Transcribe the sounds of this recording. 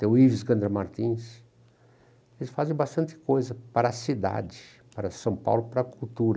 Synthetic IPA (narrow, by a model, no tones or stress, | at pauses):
t̪ẽʊivɪsɡɐ̃nd̪ɾɐmaɾt̪ĩs | elɪsfazẽj̃bast̪ɐ̃nt̪ɪ̥kojzɐpaɾɐsid̪a̰d͡ʒɪ | paɾɐsɐ̃w̃pa̰wlʊpaɾɐkuwt̪uɾɐ